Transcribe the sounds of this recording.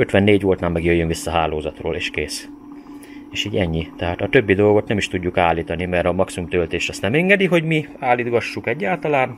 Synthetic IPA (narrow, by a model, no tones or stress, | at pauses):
øt̪ʋɛnːeːɟʋoːlt̪naːlmɛɡjøjːønvisːɒɦaːloːzɒt̪ro̰ːlḛːʃkeːs | eːʃiːɟɛɲːit̪ɛɦaːt̪ɒt̪øbːid̪o̞lɡo̞t̪nɛmiʃt̪uɟːukaːliːt̪ɒnimɛɾɒmɒksimumt̪ølt̪eːʃt̪ɒst̪nɛmɛŋɡɛd̪iɦo̞ɟmiaːlid̪ɡɒʃːukɛɟːaːlt̪ɒlaːn